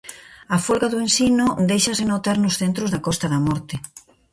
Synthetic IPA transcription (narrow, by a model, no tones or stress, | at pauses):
ɐfolɣaðuẽnsinod̪ejʃɐsɪnot̪aɾnʊsθent̪ɾozðɐkɔst̪ɐðɐmɔɾt̪ɪ